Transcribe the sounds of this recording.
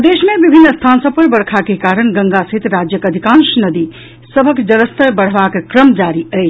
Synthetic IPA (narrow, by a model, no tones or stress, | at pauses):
d̪esmebibʱinːəst̪ʰansəb̚pəɾbəɽkʰakekaɾəñɡəŋɡasəɦit̪ɾad͡ʒjəkəd̪ʱikãnsnəd̪i | səbʱəkd͡ʒəɾəst̪əbəɽ̤bakkɾəmd͡ʒaɾiəjt͡ʃʰ